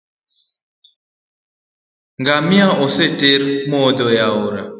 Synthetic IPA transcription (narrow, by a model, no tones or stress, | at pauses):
ŋɡamiaɔseteɾmɔd̪ɔjaoɾa